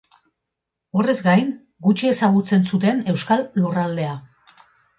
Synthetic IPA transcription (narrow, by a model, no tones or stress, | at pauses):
o̞re̞zɡajn | ɡut͡ʃie̞saɣ̞ut͡se̞nsut̪e̞ne̞wskalːurald̪e̞a